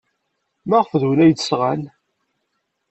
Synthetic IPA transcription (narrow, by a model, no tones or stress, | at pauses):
mæʁfðuwnæjd̪sʁæn